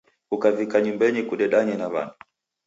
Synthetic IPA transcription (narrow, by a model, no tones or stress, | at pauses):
ukavikaɲumbɛɲikuɗɛɗaɲɛnava̰na